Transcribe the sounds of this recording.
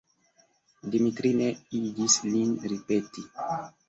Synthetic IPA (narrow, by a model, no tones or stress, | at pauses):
dimitɾineid͡ʒislinɾipeti